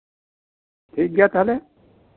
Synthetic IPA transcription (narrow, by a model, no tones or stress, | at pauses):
tʰik̚ɡat̪ale